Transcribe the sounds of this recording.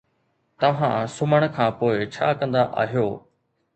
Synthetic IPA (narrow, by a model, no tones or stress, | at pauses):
t̪ɐʋ̤ãːsʊməɽ̃̆kʰãːpoːɪt͡ɕʰa̰ːkɐ̃nd̪aʔa̰ːɦijoː